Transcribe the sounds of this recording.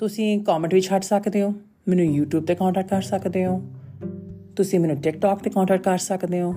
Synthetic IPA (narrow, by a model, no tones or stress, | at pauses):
t̪ʊsĩːkɔːmə̃ɳʈʋɪt͡ʃɦəʈʰsəkd̪eːõː | mɛːnũːjuːʈjuːb̚t̪eːkɔ̃ːɳʈɛːk̚ʈkəɾsəkd̪eːɦõː | t̪ʊsĩːmɛːnũːʈɪk̚ʈɔːkt̪eːkɔ̃ːɳʈɛːkʈ̚kəɾsəkd̪eːɦõː